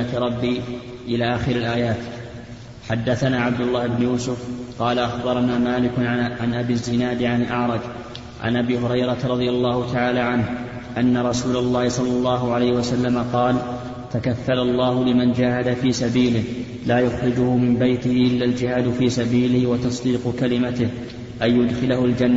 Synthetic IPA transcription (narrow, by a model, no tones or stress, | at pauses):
at̪ɾˤɑbːiː | ʔɪlaːʔaːxɪɾalʔaːjaːt̪ | ħad̪ːaθanaːʕab̚d̪ʊlˤːaːhɪbnʊjuːsʊfqɑːlaʔaxbɑɾˤɑnaːmaːlɪkʊʕanʔabɪzːɪnaːd̪ʕanɪlʔɑʕɾˤɑd͡ʒ | ʕa̰nʔabiːɦʊɾɑjɾˤɑt̪ɾˤɑd̪ˤɪjalˤːɑːhʊt̪aʕaːlaːʕanh | ʔanːaɾˤɑsuːlalˤːɑːhɪsˤɑlːɑlˤːɑːɦʊʕalajhɪwasalːamaqɑːl | t̪akaθːalalˤːɑːhʊlɪmand͡ʒaːhad̪afiːsabiːlɪh | laːjʊxɾɪd͡ʒʊhʊmɪmbajt̪ɪhɪʔɪlːaːld͡ʒɪhaːd̪fiːsabiːlɪhwɑt̪ɑsˤd̪iːqkalɪmat̪ɪh | ʔajːʊd̪xɪlahʊld͡ʒanːa